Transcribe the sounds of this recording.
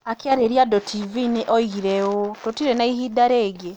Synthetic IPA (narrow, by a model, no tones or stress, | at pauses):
akjaɾeɾiadɔtʰivineʔɔiiɾɛototiɾɛnaihidaɾeːɡe